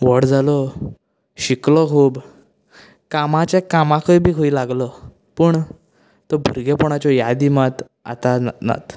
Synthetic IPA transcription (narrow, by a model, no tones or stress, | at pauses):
ʋəɽd͡zalɔ | ɕiklɔkʰuːb | kamãt͡ɕakamãkʰəjbʱiːkʰoilaɡlɔ | pəɳ | t̪ɔbʱuɾɡepɔɳ̃at͡ɕɔjad̪imat̪ | a̰t̪ana̰t̪